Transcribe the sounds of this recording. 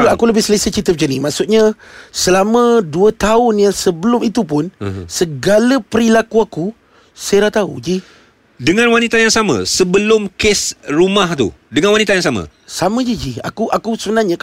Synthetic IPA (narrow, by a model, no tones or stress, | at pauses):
uakuləbɪhsəlesət͡ʃit̪̬əp̚d͡ʒənimaʔsʊt̪̚ɲasəlamə̃duət̪aʊnjaŋsəbəlʊmit̪upʊnsəɡaləpəɾilakuaku | saɾat̪aṵd͡ʒi | dəŋãnwanit̪ajaŋsamã̰səbəlʊmkɪsrumaht̪ṵ | dəŋanwanit̪ajaŋsamã̰ | samə̃d͡ʒid͡ʒia̰kuʔakusəbənarɲã